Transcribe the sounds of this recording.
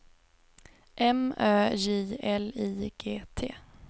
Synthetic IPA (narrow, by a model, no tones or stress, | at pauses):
ʔɛmœːjiːɛliːɡ̥eːt̪ʰḛː